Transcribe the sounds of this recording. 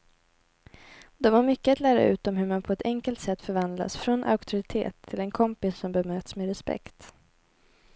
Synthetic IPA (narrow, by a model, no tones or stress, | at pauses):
d̪ɛvaɾmʏkːəat̪læːɾa̰ʉ̟̰ːt̪ɔmɦɵɾmanpʰɔɛt̪ʰɛŋkəlt̪sɛt̪ːfœɾvand̪la̰sfɾɔnʔa̰ʊkt̪ʰɵɾɪt̪ʰḛːt̪ʰːɪlɛnkʰɔmpɪsːɔmbɛmøːt̪smeːɾɛspɛ̰kt̪